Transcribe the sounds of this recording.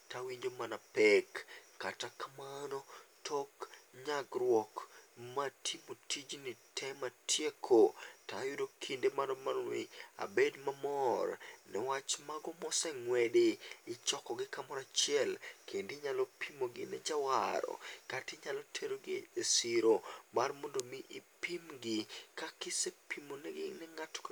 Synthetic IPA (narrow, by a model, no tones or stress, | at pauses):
tawiɲd͡ʒomanapɛkːatakamanotʰɔkɲaɡrwɔkmatʰimotʰid͡ʒnitʰɛmatʰjekʰotajʊdokʰindemanɔmalwɪ̰a̰bedmamɔrnɛwat͡ʃmaɡɔmɔsɛŋwɛdeɪt͡ʃɔkɔɡɪkamɔɾat͡ʃɪɛlkʰendɪɲalɔpʰimoɡɪnɛd͡ʒawaɾɔ̰katɪɲalɔtʰeɾoɡɪesiɾomarmondomɪʔɪpimɡɪkakɪsepimonɛɡɪ̰nɛŋatk